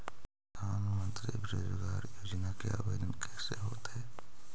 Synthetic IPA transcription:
d̪aːnmə̃nt̪ɾibɾoːd͡ʒəɡaːɾjoːd͡ʒnakḛa̰ʋḛd̪ənkɛːseɦoːt̪ɦɛː

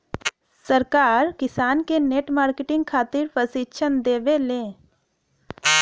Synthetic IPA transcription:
səɾkaːɾkɪsaːnkeneːʈmaːɾkeʈɪ̃ŋɡ̚kʰaːt̪ɪɾpəsɪt͡ʃʰənd̪eːʋelẽː

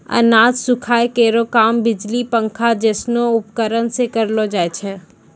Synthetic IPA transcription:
ɐ̰naːd͡ʒsʊkʰaːekeːɾokaːmbɪd͡ʒlipə̃ŋkʰad͡ʒɛːsnoʊpkəɾənsekəɾlod͡ʒaːet͡ʃʰɛː

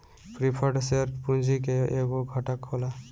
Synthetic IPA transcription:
pʰɾipʰəɖseɾpund͡ʒʱikeeɡoɡʱɔʈəkɦola

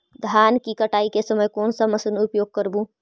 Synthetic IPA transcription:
d̪ʱaːnkikəʈaːikesəməjkoːnsəməsənʊpjoːɡ̚kəɾbũ

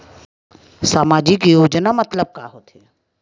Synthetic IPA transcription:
saːmaːd͡ʒikejoːd͡ʒnamɐt̪ləb̚ka̰ɦot̪e

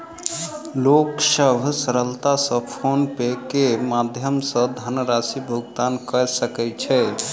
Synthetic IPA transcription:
loksəbʱsəɾəlt̪asəpʰonpekemad̪ʱjəmsəd̪ʱanəɾasibʱuɡt̪ankəsəkɛt͡ʃʰɛ

